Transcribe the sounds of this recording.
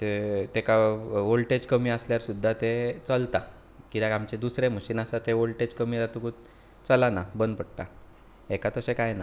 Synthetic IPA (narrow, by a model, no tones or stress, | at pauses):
t̪et̪ekaolʈed͡ʑkəmiːasljaɾsud̪ʱːat̪et͡səlt̪a | kit̪aamt͡ɕed̪usɾeməɕiːnasat̪eolʈed͡ʑkəmiːd͡zat̪uku | t͡səlanabənd̪̚pəɽt̪a | ekat̪əsẽkajna